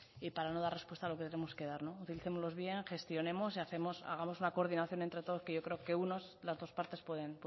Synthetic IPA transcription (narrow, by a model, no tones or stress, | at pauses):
ipaɾano̞ðarespwe̞st̪alo̞ket̪enemo̞ske̞ðaɾno̞ut̪iliθe̞mo̞zlo̞zβje̞ŋxe̞st̪jo̞ne̞mo̞siaθe̞mo̞sa̰ɣ̞amo̞sunako̞ɾðinaθjo̞nent̪ɾe̞t̪o̞ð̞o̞ske̞ʝo̞kɾeoke̞unoslazðo̞spaɾt̪e̞spwe̞ðe̞np